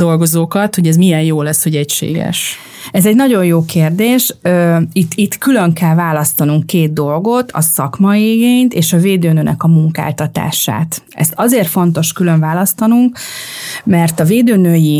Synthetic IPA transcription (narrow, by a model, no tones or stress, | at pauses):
o̞lɡo̞zoːkɒt̪ho̞ɟɛzmijɛnjoːlɛsho̞ɟɛcʃḛːɡɛ̰ʃ | ɛzɛɟnɒɟo̞jjoːkeːrd̪eːʃøːit̪ːit̪kylø̞ŋkɛlvaːlɒst̪ɒnuŋkːeːd̪̚d̪o̞lɡo̞t̪ʰɒ̰sɒ̰kmɒiɡeːɲt̪eːʃɒveːd̪øːnøːnʔɛ̰kɒmuŋka̰ːlt̪ɒt̪a̰ːʃa̰ːt̪ | ɛ̰st̪ɒzeːrt̪fo̞nt̪o̞ʃkylø̞ɱvaːlɒst̪ɒnuŋk | mɛrt̪ɒveːd̪øːnøːji